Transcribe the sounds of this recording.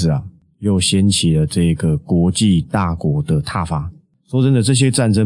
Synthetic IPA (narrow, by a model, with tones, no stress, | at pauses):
ɹ̩˨˩a˨˩ | jo˥˩ʊɕjɛ˦nt͡ɕʰi˨˩lə˨ʈ͡ʂɤ˥˧i˨˦ɡə˩kwɔ˧˥t͡ɕi˥˧t̪a˥˩kwɔ˧˥d̪ə˨t̪ʰa˥˨fa˦ | so˥˦t͡sə˥˦nd̪ə˨˩t͡sɤ˥˨˩ɕ̬jɛ˦ʈ͡ʂa˥˨nʈ͡ʂə˦